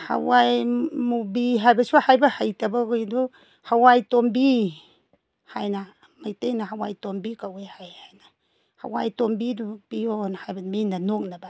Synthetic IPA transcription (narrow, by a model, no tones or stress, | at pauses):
ha̰wajmubiɦajbɐsuhajbɐhajtɐbaɡojdu | hawajtombi | hajna | majtejnaɦawa̰jtombikawehajhajna | ha̰wajtombidupionhajbɐminanok̚naba